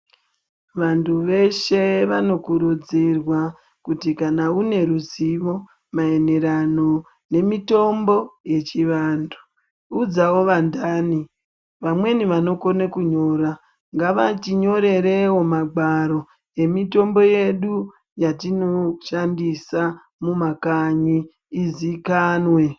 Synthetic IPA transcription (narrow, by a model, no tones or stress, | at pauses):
ʋantuʋe̞ʃe̞ʋano̞kuɾud͡zirwa | kutikanaune̞ɾuziʋo̞ | mae̞ne̞ɾano̞ | ne̞mito̞mbo̞je̞t͡ʃiʋaːntʰu | ud͡zawo̞ʋandaːni | ʋamwe̞niʋano̞ko̞nekuɲo̞ɾa | ŋɡaʋatiɲo̞ɾe̞ɾe̞wo̞maɡaɾo̞ | e̞mito̞mbo̞je̞ɗu | jatino̞ʃandisa | mumakaɲiː | zikaːnwe̞